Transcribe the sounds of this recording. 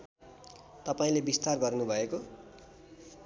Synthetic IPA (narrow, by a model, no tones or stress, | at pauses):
t̪ʌpaĩlebist̪arɡʌrnubʱʌeko